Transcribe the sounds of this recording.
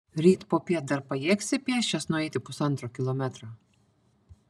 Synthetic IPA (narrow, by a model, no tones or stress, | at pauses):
ɾʲiːt̪poːpʲiɛt̪̚d̪ɐɾpɐjɛːksʲɪpʲiɛʃʲt͡ʃʲɛsnʊɛɪt̪ʲɪpʊsɐnt̪ɾoːkʲɪlˠɔmʲɛt̪ɾɑː